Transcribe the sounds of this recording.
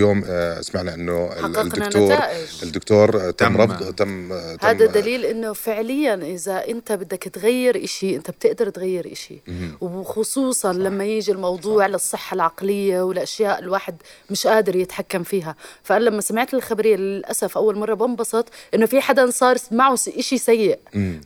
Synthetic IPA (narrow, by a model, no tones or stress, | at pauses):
joːmɪ̰smaʕnaʔɪnːʊħɑqːɑdqnanoːt̪ːɾaːʔʔɪʒɪd̪ːʊkt̪oːɾˤt̪amːɾˤɑd̪ˤt̪amːhaːd̪ad̪aliːlʔɪnːʊfɪʕlɪjːanʔɪzaʔɪnt̪abɪd̪ːakt̪ɣajːɪɾʔaʃiʔɪnt̪ab̚t̪ɪʔd̪ɑɾˤt̪ɣajːɪɾʔa̰ʃḭwɪxʊsˤuːsˤɑnlamːajiːʒilmɑwd̪ˤuːʕlɪsˤːɨħːalʕɑqlɪjːawɪlʔaʃjaːʔɪlwaːħɪd̪mɪʃʔaːd̪ɪɾjɪt̪ħakːamfiːɦafaʔanalamːasamɪʕt̪ɪlxabaɾɪjːalɪlʔa̰safʔawːalmɑrˤːɑbɑmbɑsˤɑt̪ˤʔɪnːʊfiħad̪ansˤɑːɾˤmaʕʊʔɪʃisajːɪʔ